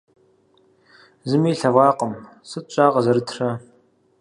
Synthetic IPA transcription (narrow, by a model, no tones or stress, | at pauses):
zɨmiːɬɐvɑːqəm | sɨt͡ʃʼaːʁɐzɐɾɨtʰrɐ